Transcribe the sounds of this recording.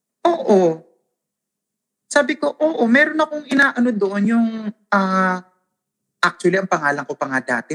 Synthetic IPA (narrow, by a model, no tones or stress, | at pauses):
ʔoːʔo | saːbɪko̞ʔoːʔo̞mɛːɾo̞nɐko̞ŋʔɪnaːʔɐno̞d̪oʔonjʊŋʔaː | ʔak̚t͡ʃʊwɐliʔɐŋpɐŋaːlɐŋkopɐŋad̪a̰ːt̪ɪ